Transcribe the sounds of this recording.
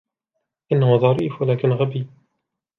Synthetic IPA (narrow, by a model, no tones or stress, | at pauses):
ʔɪnːahʊðˤɑɾiːfwalaːkɪnɣabiː